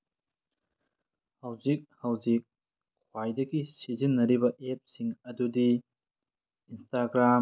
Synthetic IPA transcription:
hawzik̚hawzik̚ʰː | wajdɐɡisizinːɐɾibɐʔep̚siŋɐdudi | nstaɡɾam

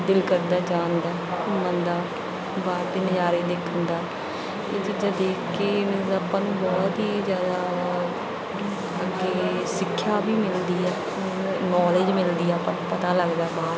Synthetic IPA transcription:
d̪ɪlkəɾd̪aːd͡ʒãːnd̪aːʊmənd̪aː | baːɾt̪eːnɪd͡ʒaːɾeːd̪eːkʰənd̪aː | t̪eːd͡ʒɪd͡ʒaːd̪eːkʰkeːnɪzəpːãːnũbɔːt̪ɦiːzjaːd̪aː | əɡeː | sɪkʰːjaːbiːmɪld̪iːɛː | nɔːled͡ʒmɪld̪iːɛːpapət̪aːləɡd̪aːbaːd̪

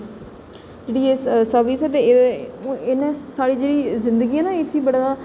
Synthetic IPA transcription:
d͡ʒeːɽiːessəɾʋɪsɛt̪̬ẽ | ɪnẽsaːɽiːd͡ʒeːɽiːzɪ̃nd̪əɡiːãːnãeːsiːbəɽaː

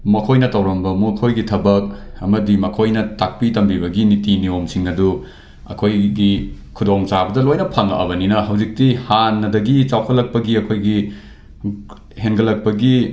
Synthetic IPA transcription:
mɐkʰojnɐtɐwɾɐmbɐmukʰojɡitʰɐbɐk̚ɐmɐdimɐkʰojnɐtak̚pitɐmbiβɐɡinitiniomsiŋɐdu | ɐ̰kʰojɡi | kʰudoŋt͡ʃabɐdɐlojnɐpʰɐŋɐ̰ʔɐ̰βɐninɐɦɐwzik̚tihanːɐdɐɡit͡ʃawkʰɐlɐk̚pɐɡiɐkʰojɡi | henɡɐlɐk̚pɐɡi

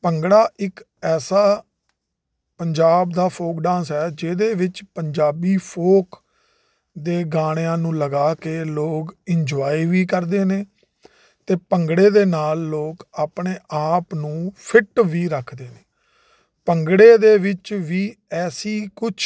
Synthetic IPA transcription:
pəŋɡɽaːʔɪk | ɛːsaː | pəɲd͡ʒaːbd̪aːpʰoːkɖãːnsɦɛːd͡ʒeːd̪eːʋɪt͡ʃpəɲd͡ʒaːbiːpʰoːk | d̪eːɡaːɽ̃ejãːnũːləɡaːkeːloːkɪɲd͡ʒɔːiːʋiːkəɾd̪eːneː | t̪eːpəŋɡɽeːd̪eːnaːlːoːkaːpɳeːʔaːpnũːpʰɪʈʋiːɾəkʰd̪eːneː | pəŋɡɽeːd̪eːʋɪt͡ʃʋiː | ɛːsiːkʊt͡ʃʰ

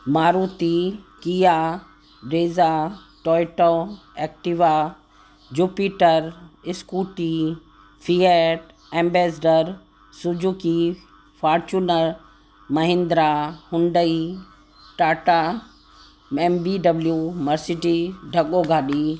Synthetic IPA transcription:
maːɾuːt̪ikija | ɖeːza | ʈɔːjʈo | eːk̚ʈiʋa | d͡ʒuːpiʈəɾɪskuːʈi | pʰiːeʈ | ẽːmbeːsɖəɾ | sʊd͡ʒʱuki | fʰaːɾt͡ʃunəɾ | mɐɦɪ̃nd̪ɾahʊ̃nɖ̪əi | ʈaːʈa | ɛmbiɖɐbljumɐɾsiʈiɖʱɐɠoɡʱaːɗi

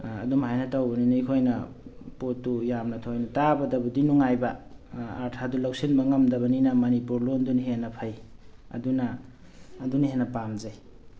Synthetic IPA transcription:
ɐ̰dumhajnatawbɐninikʰojnɐ | potːujamnɐtʰojnɐtabɐdɐbudinuŋajbaaɾtʰadulawsinbɐŋɐmdɐβɐninamanipuɾlonduniɦenɐpʰajɐ̰dunaː | duniɦenɐpamzaj

